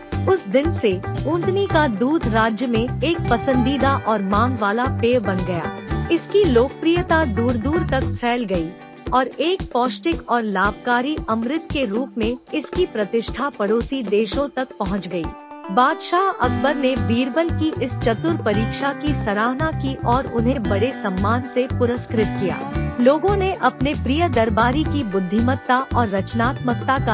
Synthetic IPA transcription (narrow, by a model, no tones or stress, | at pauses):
ʊsd̪ɪnseũːnd̪nikad̪uːd̪ɾaːd͡ʒjəmẽeːk̚pɐsə̃nd̪iːd̪aʔɔːɾmãːŋɡʋaːlapeːbɐnɡɐja̰ːɪskiloːkpɾijət̪ad̪uːɾd̪uːɾt̪ɐkfʰɛːlɡɐi | ɔːɾeːk̚pɔːsʈɪkɔːɾlaːbkaːɾiʔɐmɾɪt̪̚keɾuːpmẽɪskipɾɐt̪ɪʃʈʰapɐɽoːsid̪eːʃõt̪ɐk̚pɐɦʊ̃t͡ʃɡɐḭː | baːd̪ʃaːɦɐ̰kʰbəɾnebiːɾbəlkiʔɪst͡ʃɐt̪ʊɾpɐɾiːkʃakisɐɾaːɦnakiʔɔːɾʊ̰nɦebɐɽesɐmːaːnsepʊɾəskɾɪt̪̚kija̰ːloːɡõneʔɐpnepɾijəd̪ɐɾbaːɾikibʊd̪ʱːɪmət̪ːaʔɔːɾːɐt͡ʃnaːt̪mək̚t̪aka